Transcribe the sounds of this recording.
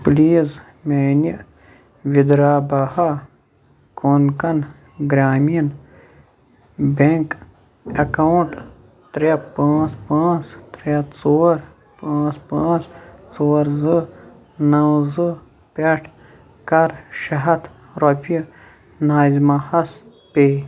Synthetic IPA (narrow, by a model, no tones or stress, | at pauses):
pliːz | meni | ʋid̪ɾaːbaha | konkɐn | ɡɾaːmin | beŋk | ɐkɐuɳʈ | t̪ɾʲepãːt͡spãːt͡st̪ɾɐt͡soːɾ | pãːt͡spãːt͡st͡soːɾzɨ | nɐwzɨ | pʲeʈʰ | kɐɾʃɐɦɐt̪ | ɾopiɐ | naːzmahɐs | peː